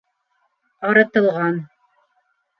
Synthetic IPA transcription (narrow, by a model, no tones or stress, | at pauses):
ɑɾɤ̆t̪ɤ̆lˠʁɑn